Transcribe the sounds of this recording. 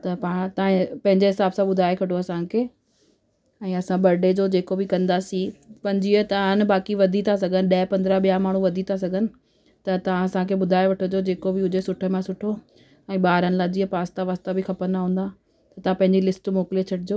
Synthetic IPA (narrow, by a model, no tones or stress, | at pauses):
t̪ɐpãːt̪ɐãpɐ̃ɦɪ̃ɲd͡ʑeɦɪsaːbsãɓʊd̪ʱaːekʰɐʈʰoɐsãkʰeː | ɛ̃ːɐsãɓɐɾɖed͡ʑoːd͡ʑeːkobɪkɐ̃nd̪asĩpɐ̃ɦɲd͡ʑiət̪ɐanɪ̆baːkiʋɐd̪ʱit̪ʰas̬ɐɡʱənɪɗɐɦɪpɐ̃nd̪ɾaɓijamaːɳ̤̃uʋɐd̪ʱit̪ʰas̬ɐɡʱənɪ̆ | t̪ɐt̪ɐʋ̤ãɐsãkʰeɓʊd̪ʱaːeʋɐʈʰod͡ʑod͡ʑeːkobɪʊd͡ʑesʊʈʰəmãsʊʈʰo | ɛ̃ːɓaːɾənɪ̆laːd͡ʑiːəpaːst̪aʋaːst̪abɪxɐpənnaɦũːnd̪a | t̪ɐt̪ɐʋãpɐ̃ɦɪ̃ɲd͡ʑilɪsʈmoːkɪlit͡ɕʰɐʈʰɪd͡ʑoː